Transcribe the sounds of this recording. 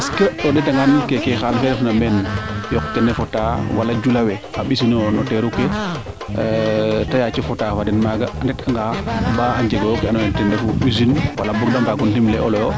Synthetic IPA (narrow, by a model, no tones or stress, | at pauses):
askeɔdɛtaŋɡankɛkɛxanfɛlfnamɛnjɔkkːɛnɛfɔtawalad͡ʒulawɛaɓisinɔnɔtɛɾukːɛ | tajat͡ʃɛfɔtafadɛnmaɡandɛtaŋɡabaaɲd͡ʒeɡɔjɔkɛanɔɛntɛndɛfuizinwalabɔɡdambaɡuntimlɛʔɔlɔjɔ